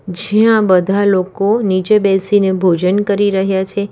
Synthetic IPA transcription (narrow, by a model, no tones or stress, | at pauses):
d͡ʒijãbəd̪ʱalokonit͡ʃebɛsinebʱod͡ʒənkəɾiɾəɦjat͡ʃʰe